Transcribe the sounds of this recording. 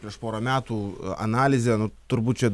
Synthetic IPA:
pʲɾʲiɛʃpoːɾɐmʲæːt̪uːɐ̰nɑːlʲɪzʲeːnʊt̪ʊɾbuːt̪t͡ʃʲɛ

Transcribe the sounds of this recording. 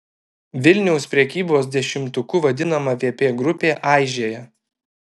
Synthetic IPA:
ʋʲɪlʲnʲɛʊspʲɾʲɛkʲiːboːs̬d̪ʲɛʃʲɪmt̪ʊkuʋɐd̪ʲɪnɐmɐʋʲeːpʲeːɡɾʊpʲeːʔɑˑɪʒʲeːjɛ

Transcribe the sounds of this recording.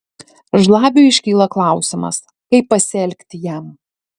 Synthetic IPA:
ʒlˠɑːbʲʊɪʃʲkʲiːlˠɐklˠɑˑʊsʲɪmɐ̰s | kɐɪpːɐsʲɛlʲkʲt̪ʲɪjæˑm

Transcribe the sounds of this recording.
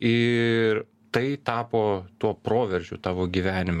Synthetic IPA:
ɪr | t̪ɐɪt̪ɑːpoːt̪uɔpɾoːʋʲɛɾʲʒʲʊ̰t̪ɑːʋoːɡʲiʋʲæːnʲɪm

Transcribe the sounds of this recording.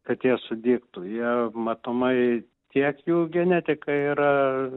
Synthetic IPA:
kɐt̪jiɛsʊd̪ʲiːkt̪ʊjiɛmɐt̪omɐɪ | t̪ʲiɛkjuːɡʲɛnʲæːt̪ʲɪkɐiːɾɐ

